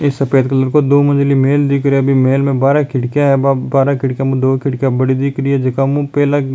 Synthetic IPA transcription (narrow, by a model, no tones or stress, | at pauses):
ɪsːɐpeːt̪kələɾkod̪oːmə̃nd͡ʒlimeːld̪iːkɾebʱimeːlmẽbaːɾakʰɪʈkjaɦɛbaːɾakɪʈkjãmũd̪oːkʰɪʈkjabəɽid̪iːkɾiɦɛd͡ʒɐkamũpɛːla